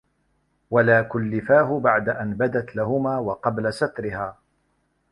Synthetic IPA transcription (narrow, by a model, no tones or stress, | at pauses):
walaːkʊlːɪfaːɦʊbaʕd̪aʔanbad̪at̪laɦʊmaːwɑqɑblasat̪ɾɪhaː